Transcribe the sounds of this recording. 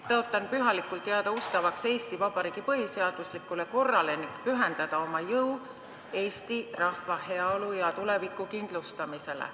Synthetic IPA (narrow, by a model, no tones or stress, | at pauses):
t̪ɤot̪ːˑɑnpyɦɑlikːˑult̪ːˑeɑd̪̥ɑust̪ɑvɑkse̞ːst̪ivɑb̥ɑɾiːɡ̥ipɤɦise̞ɑd̪̥uslikːˑule̞ko̞rːɑleni̥pyɦend̪̥ɑd̪̥ɑo̞mɑjɤw | e̞ːst̪irɑhvɑhe̞ɑolujɑt̪ule̞vikˑːukind̪̥lust̪ɑmise̞lḛ